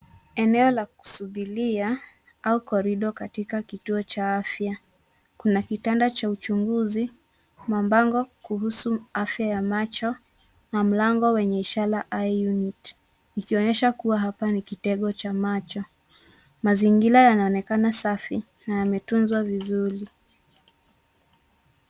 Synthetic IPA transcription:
ɛnɛɔlaku̥suɓilia | aukɔɾiɗɔkatikakituɔt͡ʃaafja | kunakitandat͡ʃaut͡ʃuŋɡuzi | mambaŋɡɔkuɦusuafjajamat͡ʃɔ | nam̩laŋɡɔwɛɲɛiʃalaʔaijunit | nikiɔɲɛʃakuwaɦapanikitɛɠɔt͡ʃamat͡ʃɔ | maziŋɡilajanaɔnɛkanasafi | najamɛtunzwavizuɾi

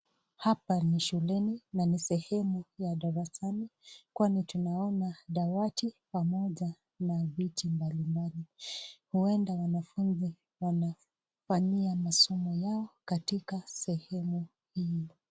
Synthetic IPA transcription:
hapaniʃulɛninanisɛhɛmujaɗaɾasanikwanitunaɔnaɗawatipamɔʄa | navitimbalimbalihuɛndawanafunzi | wana | faɲiamasɔmɔjaɔkatikasɛhɛmu | hiɔ

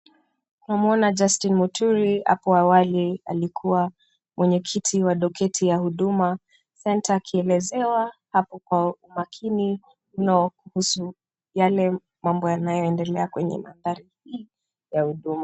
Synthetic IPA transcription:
tunamuɔnad͡ʒastinmutʰuɾia̰pɔawalia̰likʰuwa | mwʔɛɲɛkʰitʰiwaɗɔkʰɛtʰijahuɗuma | sɛntaːkʰiɛlɛzɛwahapɔkwaumakʰini | m̩nɔkuhusu | jalɛ | mambɔjanajɔɛndɛlɛakwɛɲɛ̰ma̰ndaɾihi | jahuɗuma

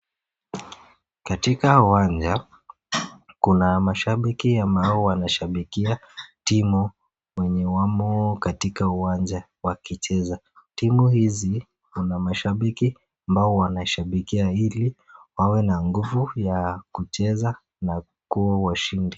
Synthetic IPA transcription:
katikauwand͡ʒa | kunamaʃaɓikiambaɔwanaʃaɓikiatimu | wɛɲɛwamɔkatikauwand͡ʒa | wakit͡ʃɛza | timuhizi | kunamaʃaɓiki | ambaɔwanaʃaɓikiaili | wawɛnaŋɡuvujakut͡ʃɛza | na | kuawaʃindi

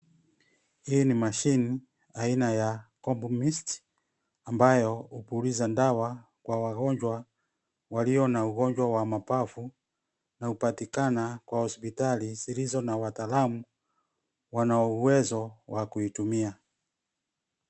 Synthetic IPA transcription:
hiːnimaʃini | ainajakɔmbumisti̥ | ambajɔupulizandawa | kwawaɣɔɲd͡ʒwa | waliɔnauɣɔɲd͡ʒwawamapafu | naupatikanakwahɔspitalizilizɔnawataːlamu | wanaɔuwɛzɔwakuitumia

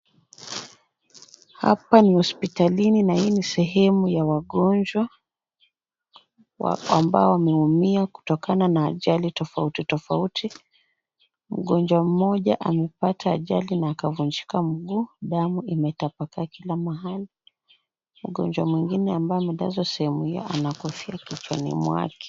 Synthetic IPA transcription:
ha̰panihɔspitalininahiːnisɛɦɛmujawaɠɔnd͡ʒwa | amba̰ɔwamɛumiaku̥tɔkananaːʄalitɔfautitɔfautʰi | m̩ɠɔnd͡ʒwam̩mɔʄa̰ʔamɛpatʰaːʄa̰linaːkavund͡ʒikam̩ɡuːɗamuimɛtapakakilamaɦali | m̩ɠɔ̰ɲd͡ʒwamwiŋɡinɛambaɔmɛɗa̰zwasɛhɛmuhijɔ̰ʔanakɔfiakit͡ʃwa̰nḭmwa̰kɛ̥

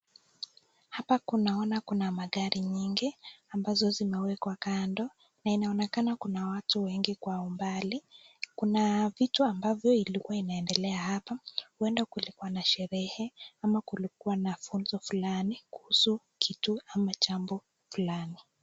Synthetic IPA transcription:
hapakunaɔnakunamaɠaɾiɲiŋɡiambazɔzimɛwɛkwakandɔ | nainaɔnɛkanakunawatuwɛŋɡikwaumbalikunavituambavjɔilikuwainaɛndɛlɛahapahuɛndakulikuwanaʃɛɾɛhɛamakulik̚uanafunzɔfulanikuhusu | kʰituamat͡ʃambɔ | fulani

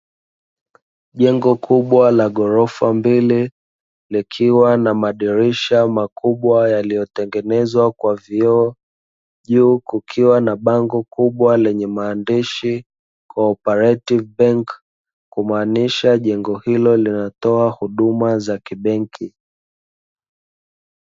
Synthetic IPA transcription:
ʄɛŋɡɔkʰuɓwalaɠɔɾɔfambili | likʰiwanamaɗiɾiʃamakʰuɓwajalijɔtɛŋɡɛnɛzwakwaviɔ | ʄuːkukʰiwanaɓaŋɡɔkuɓwalɛɲɛmaːndiʃi | kʰɔːpɛɾativbɛŋkː | umaːniʃaʄɛŋɡɔhilɔlinatɔahuɗumazakiɓɛŋkʰi

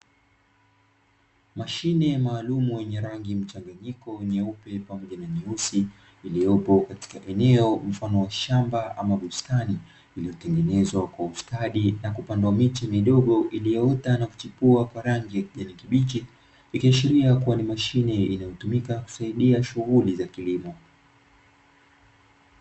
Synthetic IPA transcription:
maʃinɛmaːlumujɛɲɛɾaŋɡim̩t͡ʃaŋɡaɲikɔɛɲɛupɛpamɔʄanamiusiː | lijɔpɔkati̥kaʔɛnɛɔm̩fanɔwaʃambaʔamaɓustani | ilijɔtɛŋɡɛnɛzwakwaustaɗinakupandwamit͡ʃamiɗɔɠɔʔilijɔɔtanaku̥t͡ʃipuakwaɾaŋɡijakiʄanikiɓit͡ʃi | ikiaʃiɾiakuwanimaʃinɛinajɔtumikaku̥saiɗiaʃuɣulizakilimɔ

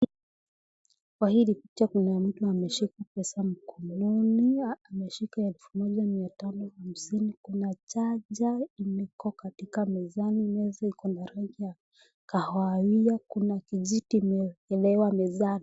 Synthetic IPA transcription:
kwahilipi̥t͡ʃakunam̩tuamɛʃikapɛsam̩kɔnɔniamɛʃikaɛlfumɔʄamiatanɔham̩sinikunat͡ʃaʄaimɛkɔkatikamɛzanimɛzaikɔndaɾaʄija | kahaiakunakiʄitiːmɛɛlɛwamɛzani

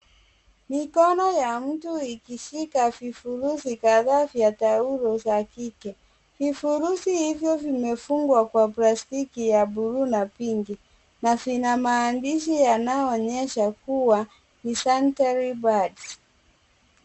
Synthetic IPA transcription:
mikɔnɔjam̩tuikiʃikavifuɾusikaðavjatauɾɔzakikɛ | vifuɾusihivjɔvimɛfuŋɡwakwaplastikijabuɾunapiŋɡi | navinamaːndiʃijanaɔɲɛʃakuwa | nisantaɾibad

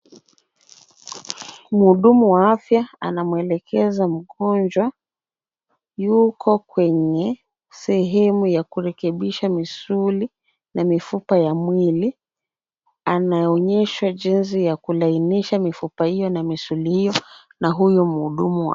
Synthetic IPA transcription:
m̩huɗumuwaafjaa̰namwɛlɛkɛzam̩ɠɔnd͡ʒwa | jukʰɔkwɛɲɛ | sɛɦɛmujakuɾɛkɛɓiʃamisuli | namifupajamwili | anaɔɲɛʃwaʄins̬ijakulainiʃamifupahijɔnamisulihijɔ | naɦujum̩uɗumua̰

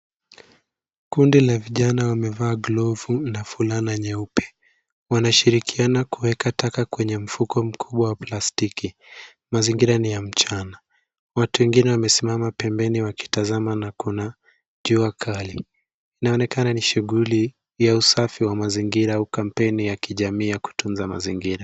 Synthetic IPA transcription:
kundilaviʄanawamɛvaːɡlɔvunafulanaɲɛupɛ̥ | wanaʃiɾikʰianakuwɛkatakakwɛɲɛm̩fukʰɔm̩kʰuɓwawaplastiki | maziŋɡiɾanijam̩t͡ʃana | watuwɛŋɡinɛwamɛsimamapɛmbɛniwaki̥tazamanakuna | ʄuakʰali | inaɔnɛkananiʃuɠuli | jausafiwamaziŋɡiɾaaukam̩pɛnijakiʄamiːjaku̥tunzama̰ziŋɡiɾa

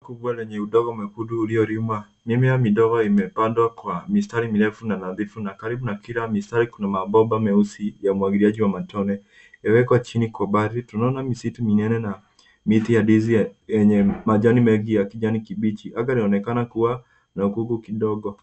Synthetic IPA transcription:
kubwalɛɲɛuɗɔɡɔmɛkuduːliɔɾimwa | mimijamiɗɔɣɔimɛpandwakwamistaɾimiɾɛfunanaðifunakaɾibunakilamistaɾikunamabɔbamɛusijamwaɡiɾiaʄiwamatɔnɛ | jawɛkwat͡ʃinikwɔbaɾitunaɔnamisituminɛnɛna | mitijadizijɛɲɛmaʄɔnimɛŋɡijakid͡ʒanikibit͡ʃiʔaɡaliɔnɛkanakuwa | naukuɡukiɗɔɡɔ

